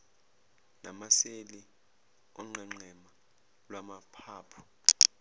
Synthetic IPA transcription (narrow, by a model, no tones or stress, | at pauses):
na̰maseli | ɔŋ͡ǃʱɛŋ͡ǀɛma | lwamapʰaːpʰɔ̥